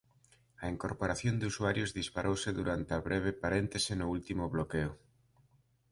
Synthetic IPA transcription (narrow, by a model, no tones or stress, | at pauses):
ɐeŋkoɾpoɾaθjond̪usuaɾjozðispaɾʔowsɪðuɾant̪eaβɾʔeβ̞epaɾent̪esɪnʊult̪imʊβlokeʊ